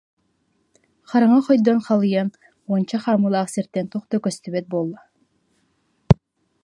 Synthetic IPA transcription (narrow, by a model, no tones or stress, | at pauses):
χɑɾaŋaχɔjd̪ɔnχɑlˠɯjan | uɔnt͡ɕaχaːmɯlˠaːsɛɾt̪ːɛnt̪uχt̪ɔkœst̪yβɛt̪̚buɔlˠːa